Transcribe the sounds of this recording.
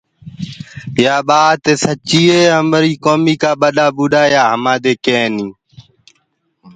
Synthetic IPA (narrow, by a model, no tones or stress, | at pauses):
jaːɓaːt̪eːsət͡ʃiːeːə̃mməɾiːkoːmiːkaːɓəɗaːɓuːɗaːjaːɦəmaːd̪eːkẽːniː